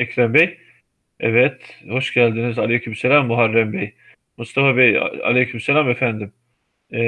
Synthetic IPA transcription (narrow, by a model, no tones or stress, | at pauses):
ɛkʰɾɛmbɛj | ɛ̰vɛt̪hoʃɟælʲd̪inizalʲejkʰymselʲamːuɦaɾːɛmbej | must̪ʰafabej̰a̰lʲejkʰymselʲaːmefænd̪ɪm